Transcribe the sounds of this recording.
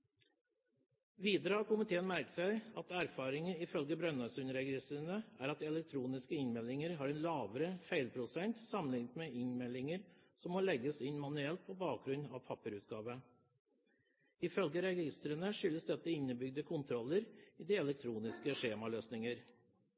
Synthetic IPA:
ʋiːd̪əɾəɑkʰʊmɪt̪ʰeːənmæɾk̪sæɪɑt̪æɾfɑːɾɪŋəɪfœlɡəbɾœnɑsʉnɾɛɡɪst̪əɾənəæɾɑt̪̚d̪ɛlɛk̚t̪ʰɾuːnɪskəɪnmɛlːɪŋəɾɦɑːɾɛnlɑːʋəɾəfæɪlpʰɾʊsɛnt̪sɑmənɪŋt̪meʔɪnmɛlːɪŋəɾ | sɔmːɔlɛɡəsɪnmɑnʉɛlt̪̚pʰɔbɑːk̚ɡɾʉnɑ̰ʋpʰɑpəɾʉːt̪ɡɑːʋə | ɪfœlɡəɾɛɡɪst̪əɾənəʂʏlːəsd̪ɛt̪ːəɪnːəbʏɡ̚d̪əkʰʊnt̪ʰɾɔlːəɾiːd̪iɛlɛk̚t̪ʰɾuːnɪskəʂeːmɑløːsnɪŋəɾ

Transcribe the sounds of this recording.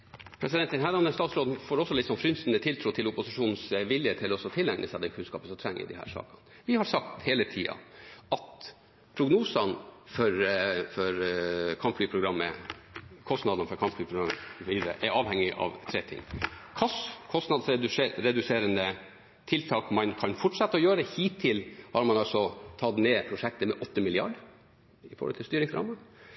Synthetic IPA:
pʰɾɛs̬ɪd̪ɛnt̪ənɦæːlɑnəst̪ɑːt̪sɾoːd̪nfoːɾɔsːɔlɪt̪sɔmfɾʏnsnət̪ʰɪlt̪ʰɾuːt̪ʰɪlʊpʊsɪʂuːnnsʋɪljət̪ʰɪlɔsɔt̪ʰɪlːɛŋnʔəsɛɑd̪ɛkʰʉnskɑ̰ːpəsɔmt̪ʰɾɛŋːɪ̰d̪ɪ̰hæ̰ːɾʂɑ̰ːkɑn | ʋɪhɑɾsɑk̚t̪heːlət̪ʰiːɑ̰ɑt̪ | pʰɾʊɡnuːsɑnfɔɾfɔɾkʰɑmflyːpʰɾʊɡɾɑmːə̰ | kʰɔst̪nɑd̪ɑnfɔɾkʰɑmflyːpʰɾʊɡɾɑmːəʋiːd̪əɾə̰ʔɛɾɑːʋhɛŋːɪʔɑ̰ʋt̪ʰɾɛːt̪ʰɪ̰ŋːkʰɑskʰɔst̪nɑd̪sɛɾɛd̪ʉseːɾənə | t̪ʰɪlt̪ʰɑːkmɑnkʰɑnfɔʈʂɛt̪ːəɔjøːɾəhiːt̪ʰːɪlhɑɾmɑnɑlsɔt̪ʰɑd̪neːpʰɾʊʂɛk̚t̪əmɛʔɔt̪ːəmɪlɪɑ̰ɖ | ɪfɔ̰ɾhɔ̰t̪ʰɪlst̪yːɾɪŋsɾɑ̰ːmɑn

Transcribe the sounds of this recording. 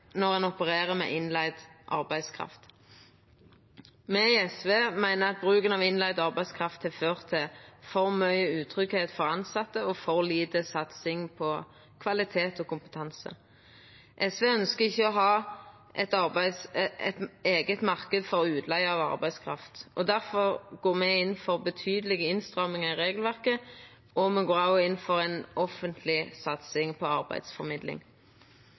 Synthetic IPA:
nɔʁɛnɔpəʁeːʁəmɛ̰ʔɪnlæɪd̪ʔɑ̰ʁbæɪd̪skʰʁɑ̰ft̪ | mɛɪɛsʋeːmæɪnəɑt̪̚bʁʉːkənɑʋɪnlæɪd̪ɔɑʁbæɪskʰʁɑft̪ʰhɪføːʁt̪ʰɪfɔʁmœʏəʉːt̪ʰʁʏkheːt̪fɔʁɑnsɑt̪ːəɔfɔʁliːd̪əsɑt̪sɪŋpʰɔ | kʰʋɑlɪt̪ʰeːt̪ɔkʊmpə̥t̪ʰɑnsə̰ | ʔɛsʋeːœnskəɪçːəɔɦɑː | ʔɛt̪ɑʁbæɪsɛt̪eːɡət̪mɑʁkəd̪fɔɾɔʉːt̪ʰlæɪɑːʋɑ̰ʁbæɪd̪skʰɾɑ̰ft̪ʔɔd̪æʁfɔʁɡoːʁmɛɪnːfɔʁbət̪ʰyːd̪əlɪɡəɪnst̪ʁɑmɪŋəɪʁeːɡəlʋæʁkə | ʔɔmɛɡoːɾɑʊɪnːfɔɾɛɪnɔfənt̪ʰlɪsɑt̪sɪŋpʰɔɑʁbæ̰ɪd̪sfɔɾmɪd̪lɪ̰ŋ

